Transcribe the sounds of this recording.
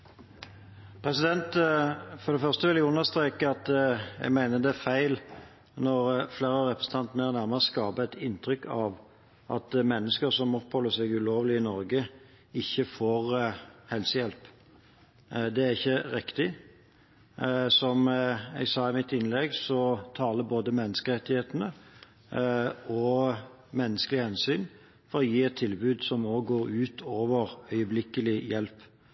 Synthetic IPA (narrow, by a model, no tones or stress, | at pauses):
pʰɾɛsɪd̪ɛnt̪fɔɾd̪ɛfœʁst̪əʋɪljæɡʊnːəst̪ɾeːkəɑt̪ɛ̰ɡmæɪnəd̪ɛæfæɪl | nɔɾfleːɾəɾɛpɾəsn̩t̪ɑnt̪ənəæɾnæɾməʁəskɑːbəɛt̪ɪnːt̪ʰɾʏkːʰɑʋ | ʔɑ̰t̪mɛnːəskəɾsɔmːʊɾpʰɔlʊsɛɡʉloːʋlɪɪnɔɾɡə | ɪçːəfoːɾhɛlsəjɛlp | d̪ɛæʁɪçːəʁɪkt̪ɪ | sɔmɛ̰ɡsɑːɪmɪt̪ːɪnlɛɡsɔt̪ʰɑːləboːd̪əmɛnːəskəʁɛt̪ːɪheːt̪ənə | ɔ | mɛnːəskəlɪhɛnsyːn | fɔɾɔjiːɛt̪ʰːɪlbʉːd̪sɔmoːɡoːɾʉːt̪ʰoːʋəɾœʏəblɪkəlɪjɛlp